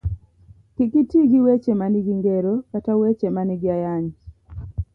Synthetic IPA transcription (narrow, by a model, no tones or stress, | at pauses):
kikitiɡiwet͡ʃemaniɡiŋɡeɾokatawet͡ʃemaniɡɪajaɲ